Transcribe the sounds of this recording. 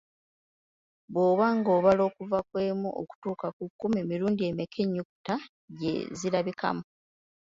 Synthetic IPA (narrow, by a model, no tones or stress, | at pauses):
βoːβaːŋɡo̞ːβalo̞ːkuvakwe̞ːmuʔo̰ku̥tuːkakukːume̞ːmiɾuːndie̞mekʰeɲːuku̥ta | ɟḛziɾaβikʰa̰mu